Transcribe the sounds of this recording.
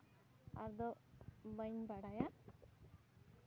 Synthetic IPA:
a̰ɾd̪ɔbəɲbaɽaja

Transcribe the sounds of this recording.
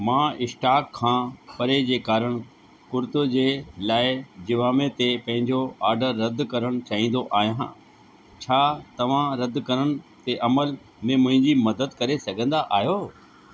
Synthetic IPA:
mãːɪsʈaːkʰːãːpɐɾed͡ʑeːkaːɾəɽ̃ | kʊɾt̪od͡ʑeːlaːɪd͡ʑɪʋaːmẽt̪epɐ̃ɦɪ̃ɲd͡ʑoaːɾɖəɾːɐd̪ʱkɐɾəɽ̃̆t͡ɕaːɦĩːnd̪oʔaːɦijã | t͡ɕʰaːt̪ɐʋ̤ãɾɐd̪kɐɾəɽ̃ɪ̆t̪eʔɐməl | mẽmʊ̃ɦɪ̃ɲd͡ʑimɐd̪əd̪kɐɾesɐɡʱə̃nd̪aʔaːɦijoː

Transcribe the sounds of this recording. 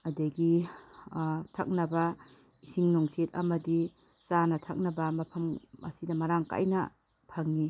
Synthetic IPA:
ɐdɐɡi | tʰa̰k̚nɐbɐ | isiŋnoŋset̚ɐ̰mɐdi | sanɐtʰak̚nɐbɐmɐpʰɐmɐ̰sidɐmɐɾaŋka̰jnɐ | pʰɐŋni

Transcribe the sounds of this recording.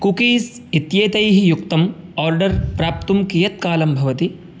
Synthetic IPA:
kukiːs | it̪jeːt̪ɐjɦijukt̪ɐmaːɾɖɐɾpɾaːp̚t̪umkijɐt̪̚kaːlɐmbʱɐʋɐt̪i

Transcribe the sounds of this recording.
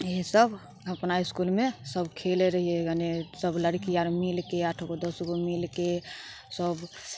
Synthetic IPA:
eɦesəb | əpnaiskulmesəbʱkʰeleɾəɦieɡənesəbləɽkiaɾmilkeaʈʰɡod̪əsɡomilke | səb

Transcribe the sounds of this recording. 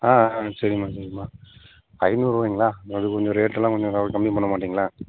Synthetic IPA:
aːsɐɾɪmaːsɐɾɪmaː | ɐɪnuːɾuːʋiːŋɡɐɭaːɐðɐʋɐnd̪ɯkɔɲd͡ʒɔɾeːʈːɯlãːkɔɲd͡ʒɔ̃kɐkɐmbipɐɳːɐmaːʈːiːŋɡɐlaː

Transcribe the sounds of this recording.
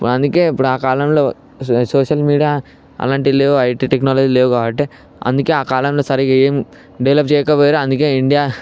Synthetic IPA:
ipːuɽɐnd̪uke̞ːipːuɽuaːkaːlɐmlo̞ː | soːʂɐlmiːɽijaː | ɐ̰laːɳʈileːʋuɐjʈiːʈeknaːlɐd͡ʒiːleːʋukaːbɐʈ̬ːeː | ɐ̰nd̪uke̞ːaːkaːlɐmlo̞ːsɐɾiɡaeːm | ɖɐʋlɐp̚t͡ʃɛːjɐkɐpoːjaɾoɐnd̪uke̞ːiɳɖijaː

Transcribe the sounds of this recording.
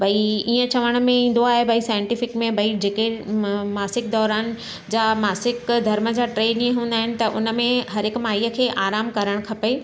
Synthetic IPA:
bʱɐiiːə̃t͡ɕɐʋəɽ̃mẽĩːn̆d̪oaːɦebʱɐisaːɪɪ̃ɳʈɪfɪkmẽbʱɐid͡ʑeːkemaːsɪk̚d̪ɔːɾaːn | d͡ʑaːmaːsɪkd̪ʱɐɾmə̆d͡ʑaːʈɾeːnĩːɦũːnd̪aːɦɪnɪ̆t̪ɐʔʊnə̆mẽɦɐɾɦɪkmaːɦiːəkʰeːʔaːɾaːmkɐɾəɽ̃kʰɐpe

